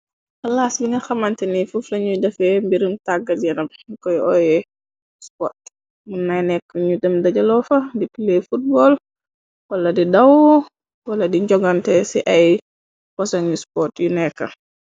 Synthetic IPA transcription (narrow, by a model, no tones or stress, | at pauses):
ɐlasbiŋɡɐxɐmɐntɛnifuflɐɲudɐfɛmbiɾimtaɡːɐdjɐnɐmkɔjɔjɛ | spɔrt | munːajnɛkːəɲudɛmdɐɟɐlɔfɐdipilɛfut̚bɔl | wɐlɐdidɐw | wɐlːɐdiɲd͡ʒɔɡɐntɛsiʔɐj | pɔsɐɲuspɔrtjunɛkːɐ̰